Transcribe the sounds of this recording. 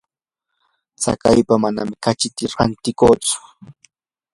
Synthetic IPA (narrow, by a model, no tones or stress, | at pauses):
t͡sa̰kajpamana̰mɪkat͡ʃɪt̪ɪɾant̪ɪkoːt͡sʊ̥